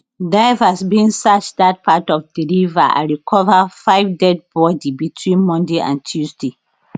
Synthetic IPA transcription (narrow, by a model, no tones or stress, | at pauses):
davasbĩnsat͡ʃdat̚pʰatɔfdilivaã̰ɹikʰɔvafaɪvdɛd̚bɔdibitʰwĩnmɔ̃ndeʔã̰ntʰjuzde